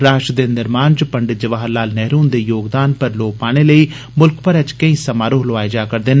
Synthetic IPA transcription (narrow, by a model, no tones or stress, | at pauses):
ɾaːʃd̪eːnɪɾmaːnt͡ʃpəɳɖɪt̪̚d͡ʒəʋaːɦlaːlnɛːɾuːnd̪eːjoːɡd̪aːnpəɾloːpaːɽ̃eːləiː | mʊlkpəɾɛt͡ʃkə̃ĩːsəmaːɾoɦlʊaːed͡ʒaːkəɾd̪ɪn